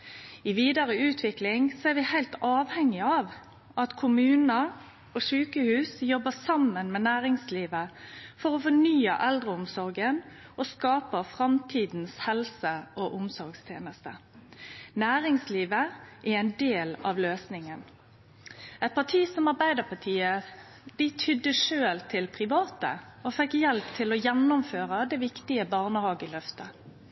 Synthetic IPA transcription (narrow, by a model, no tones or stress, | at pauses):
ɪʋiːd̪ɑɾəʉːt̪ʰʋɪklɪŋsɔɛɾʋɪhæɪlt̪ɑːʋhɛŋːɪɑːʋ | ɑt̪kʰʊmʉːnəʁ | oːʃʉːkəhʉːsjɔbːəsɑmːənmɛnæːʁɪŋsliːʋəfɔʁofɔnyːə̰ʔɛld̪ʁəʊmsɔɾɡən | oskɑːpəfʁɑmt̪ʰiːd̪n̩shɛlsəʔoːʔʊmsɔɾɡst̪ʰjḛːnəst̪ə | næːʁɪŋsliːʋəʔæɛɪnd̪eːlɑ̰ʋløːsnɪŋən | ɛɪt̪̚pʰɑʈʰiːsɔmɑʁbæɪd̪əpʰɑʈ̪ʰiːə | d̪ɪt̪ʰʏd̪ːəʂøːlt̪ʰɪlpʰʁɪʋɑːt̪ə̰ɔfɛkːjɛlpt̪ʰɪlɔjɛnːʊmføːʁəd̪ɛʋɪkt̪ɪəbɑːʁnəhɑːɡɪlœft̪ə